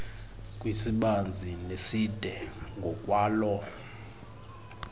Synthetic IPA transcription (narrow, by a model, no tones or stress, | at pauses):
kʼwisiɓand͡zʱinesid̥ʱɛŋʱɔkʼwaːlɔ